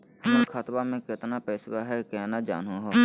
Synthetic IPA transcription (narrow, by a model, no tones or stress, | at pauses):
hːkʰat̪baːmẽːkɪt̪naːpɛːsbaːɦɛːkɛːnaːd͡ʒa̰ːnõːɦoː